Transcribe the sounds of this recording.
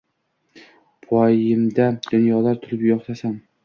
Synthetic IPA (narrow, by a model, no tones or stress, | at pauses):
pʰɒjɪmd̪ad̪̥ʊnjɒlaɾt̪ʰʊlɪpjɒχt̪asam